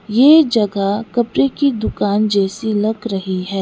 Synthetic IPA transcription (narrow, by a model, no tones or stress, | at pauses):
jeːd͡ʒɐɡakɐpɾekid̪ʊkaːnd͡ʒɛːsilɐɡɾɐɦiɦɛː